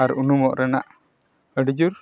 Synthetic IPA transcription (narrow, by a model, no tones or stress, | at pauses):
aɾunumɔ̰ʔɾɛna̰ʔ | əɖid͡ʒuɾ